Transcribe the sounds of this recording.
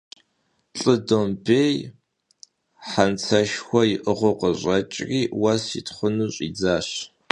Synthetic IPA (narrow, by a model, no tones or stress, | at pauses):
ɬʼɨdombeːj | ħant͡sʰɐʃxʷɔiʔəʁʷʊqəɕʷʼɐt͡ʃʼriːwɐsitχʷʊnuːɕʼḭd͡zaːɕ